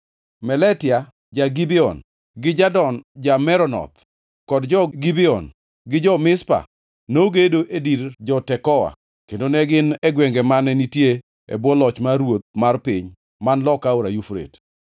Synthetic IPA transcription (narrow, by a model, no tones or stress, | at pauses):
mɛlɛtɪa | d͡ʒaɡibɪɔ̰n | ɡɪd͡ʒadɔnd͡ʒamɛɾɔnɔ̰t̪ | kɔdd͡ʒɔɡibiɔ̰n | ɡɪd͡ʒɔmɪspa̰ | noɡedoʔediɾd͡ʒɔtɛkɔwa̰ | kendonɛɡɪnɛɡwɛŋɡɛmanɛnitje | ḛbwɔlɔt͡ʃmaɾwot̪̚marpɪɲ | manlɔkaoɾajufɾḛt